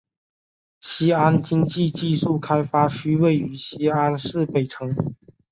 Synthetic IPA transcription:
ɕi˥a˥nt͡ɕi˥ŋt͡ɕi˥˧t͡ɕi˥˧ʂu˥˩kʰa˥ɪfa˥ɕy˥we˥˩ɪy˧˥˦ɕi˥a˦˥nsɹ̩˥˩pe˨˩ɪʈ͡ʂʰɤ˧˥ŋ

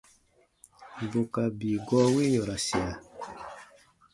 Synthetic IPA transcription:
bo˨ka˨bi˨ɡɔ˦we˦ɲɔ˨ɾa˨si˨a˨

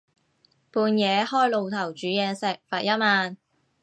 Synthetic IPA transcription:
puː˨˧njɛː˨˧hɔː˥jlo˨˧wt̪ʰɐ˨˩wt͡ʃyː˨˥jɛː˨˧ŋsɛ˨k̚faː˨t̚jɐ˥t̚maː˧n

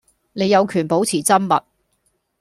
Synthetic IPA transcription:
ne˨˧jɐ˨˧wkʰyː˨˩npo˨˥wt͡sʰiː˨˩t͡sɐ˥mmɐ̰˨t̚

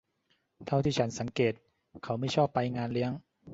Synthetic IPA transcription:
t̪ʰa˥˩wt̪ʰiː˥˩t͡ɕʰa˦˥nsa˩˦ŋkeː˨˩t̪̚ | kʰa˦˥wma˥˩jt͡ɕʰɔː˥˩pːa˧jŋaː˧nli˦˥əŋ

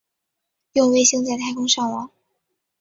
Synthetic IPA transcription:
jʊ˥˧ŋwe˥˧ɪɕi˥ŋt͡sa˥˧ɪt̪ʰa˥ɪkʰʊ˥ŋʂɑ˥˩ŋwɑ˧˥˦ŋ

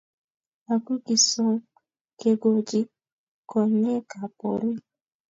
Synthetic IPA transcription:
a˨ku˦ki˨sɔ˦ŋ | ke˨ɡo˨d͡ʒi˦ | kɔ˨ɲɛ˦ka˨po̰˨ɾi˦

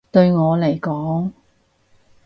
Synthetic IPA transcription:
t̪ɵ˧ɥŋɔː˨˧le˨˩jkɔː˨˥ŋ

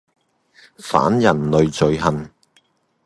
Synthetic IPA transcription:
fa̰ː˨˥njɐ˨˩nlɵ˨ɥt͡sɵ˨˧ɥɦɐ˨n

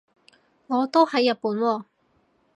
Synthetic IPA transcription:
ŋɔː˨˧t̪o˥whɐ˨˧˥jːɐ˨t̚puː˨˥nwɔː˧

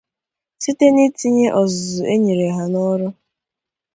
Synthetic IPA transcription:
si˦te˦ni˦ti˦ɲe˦ʔɔ˨zzʊ˨ʔe˦ɲi˨ɾe˨ɦa˨nɔ˦ɾʊ˦

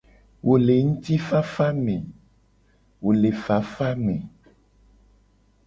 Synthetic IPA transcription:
wʔo˨le˨ŋũ˦t̪i˦fa˦fa˦mẽ˨ | wo˨le˨fa˨˦fa˦mẽ˨

